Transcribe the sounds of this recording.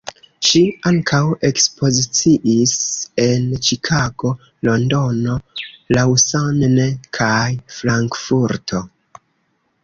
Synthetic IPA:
ʃiaŋkʰawe̞kspo̞zit͡siʔise̞nt͡ʃikʰaɡo̞ | lo̞ndo̞no̞lawsannekʰajfɾaŋkfuɾtʰo̞

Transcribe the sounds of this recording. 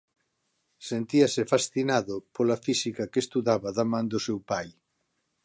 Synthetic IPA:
sent̪iɐsɪfasθinaðʊpolɐfisikɐkest̪uðaβɐðamãnd̪ʊsewpaj

